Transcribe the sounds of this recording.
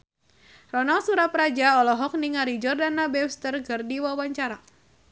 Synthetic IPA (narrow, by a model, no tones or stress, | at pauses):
rɔnalsuɾaprad͡ʒaɔlɔɦɔk̚niŋaɾid͡ʒɔrdanabɛfst̪ərkɨrdiwawaɲt͡ʃaɾa